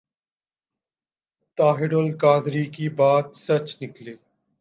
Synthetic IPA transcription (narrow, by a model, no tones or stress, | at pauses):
t̪aːɦɪɽolkaːd̪ɾiːkiːbaːt̪sət͡ʃnɪkleː